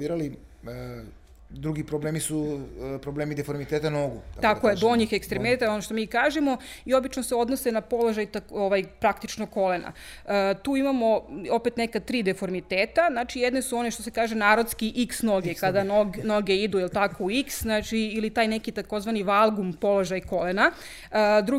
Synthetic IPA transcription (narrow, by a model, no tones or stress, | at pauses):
iːɾali | ə | d̪ɾuɡipɾoblemisupɾobleːmid̪efoɾmit̪et̪anoɡuat̪akkojed̪oɲixekst̪ɾemet̪aonoʃt̪o̞miːkaːʒemo̞io̞bit͡ʃnoseo̞d̪no̞se̞napo̞loʒajt̪aoʋajpɾakt̪it͡ʃnokolena̰ | t̪uːimamo̞o̞pet̪nekat̪ɾiːd̪efo̞ɾmit̪eːt̪aznaːt͡ʃijed̪ne̞suo̞neʃt̪o̞se̞kaːʒe̞naːɾod̪skiʔiksno̞ɡekad̪anoɡnoɡeid̪uilˠt̪ako̞uiksznat͡ʃiːlit̪aːjnekit̪ako̞zʋaniʋalˠɡumpo̞loʒajko̞lena | d̪ɾu